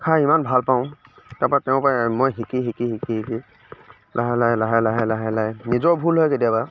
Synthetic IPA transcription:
kʰaimanbʱalpãʊ̃taɹpɔɹatɛʊ̃pamɔjɦikiɦikiɦikiɦiki | lʔaɦalajlaɦalaɦajlaɦalajnizɔɹbʱulɦɔjkediaba

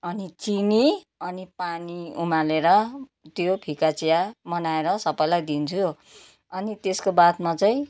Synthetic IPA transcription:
ʌnit͡sini | ʌnipaniumaleɾʌt̪jopʰikat͡sijamʌnaeɾʌsʌpʌjlajd̪int͡sʰu | ʌnit̪eskobat̪mat͡saĩ

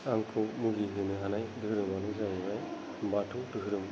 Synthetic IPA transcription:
aŋkʰɯwmuɡiɦɯnɯɦanajdɯɦɯɾɯmanɯzajɯwaj | batʰudɯɦɯɾɯm

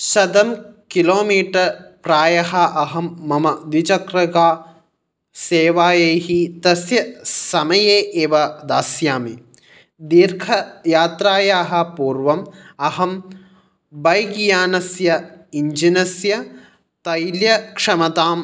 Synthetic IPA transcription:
ʃɐd̪ɐmkiloːmiːʈɐɾpɾaːjɐɦɐʔɐɦɐmːɐmɐd̪it͡ʃɐkɾɐɡaː | seːʋaːjeːɦit̪ɐsjɐsɐmɐjeːʔeːʋɐd̪aːsjaːmi | d̪iɾkʰɐjaːt̪ɾaːjaːɦɐ̆puːɾʋɐmɐɦɐm | bɐjɡjaːnɐsjɐiɲd͡ʒinɐsjɐ | t̪ɐjljɐkʂɐmɐt̪aːm

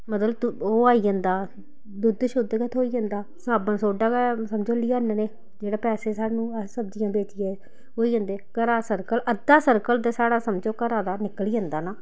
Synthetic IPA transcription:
mət̪ləbt̪ʊoːaːiːɦə̃nd̪aː | d̪ʊd̪ʃʊd̪kɛt̪ʰoːiːɦə̃nd̪aːsaːbənsoːɖaːɡɛsəmd͡ʒoːliːaːnneː | d͡ʒeːɽaːpɛːseːsaːnũːsəbd͡ʒɪjãːbeːt͡ʃɪjɛː | ɦoːiːɦə̃nd̪eːkəɾaːsəɾkəlʔəd̪aːsəɾkəld̪eːsaːɽaːsəmd͡ʒoːkəɾaːd̪aːnɪkliːɦə̃nd̪aːnaː

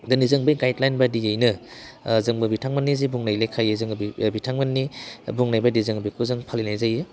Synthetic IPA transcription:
dɐnizɯŋbɐjɡajdlajnbɐdijejnɐzɯŋbɐbitʰaŋmɐnːizijbuŋnajlejkʰajɯzɯŋbibitʰaŋmɐnːibuŋnajbɐdizɯŋbikʰuzɯŋpʰalinajzajɯ

